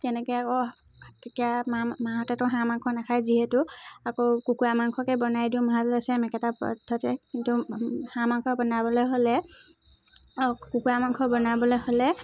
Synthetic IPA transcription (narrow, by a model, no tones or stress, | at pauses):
tɛnɛkɔjako | tekijamamaɦɔtɛtʊɦãmaŋkʰɔnakʰajziɦɛtʊakokukuamaŋkʰɔkɛbɔnajdiʊmaɦatasɛmɛkɛtapɔ̰dʰʱːɔtɛkintuhãmaŋkʰɔbɔnabɔlɔjɦolɛ | kukuamaŋkʰɔbɔnabɔlɔjholɛ